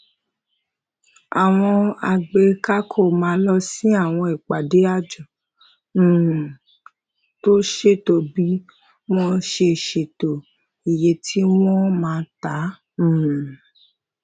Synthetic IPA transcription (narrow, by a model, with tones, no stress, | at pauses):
a˨w̃ɔ̃˧a˨ɡ͡be˧ka˦kʰo˦˨mãː˨˦lɔ˧sĩ˦a˦˨w̃ɔ̃˧i˨k͡pa˨de˨˦a˦˨d͡ʒɔ̃˨˦˨ | to˦ʃe˦˨to˦bi˨˦ | w̃ɔ̃˦ʃe˧˨ʃe˨to˨ | i˨je˧tʰi˦w̃ɔ̃˦mãː˨˧tã˨˦˨